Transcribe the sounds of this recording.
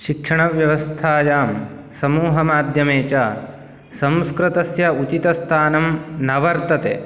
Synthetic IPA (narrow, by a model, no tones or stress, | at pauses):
ʃikʂɐɳɐʋjɐʋɐst̪ʰaːjaːm | sɐmuːɦɐmaːd̪ʱjɐmeːt͡ʃaː | sɐmskɾit̪ɐsjɐut͡ʃit̪ɐst̪ʰaːnɐmnɐʋɐɾt̪ɐt̪eː